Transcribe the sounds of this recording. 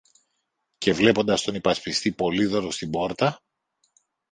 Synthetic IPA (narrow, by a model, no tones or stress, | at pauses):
ce̞vle̞po̞nd̪ɐst̪o̞nipɐspist̪ipo̞liðo̞ɾost̪ibo̞ɾt̪ɐ